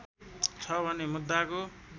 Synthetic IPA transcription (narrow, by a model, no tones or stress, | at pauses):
t͡sʰʌbʱʌnemud̪ːako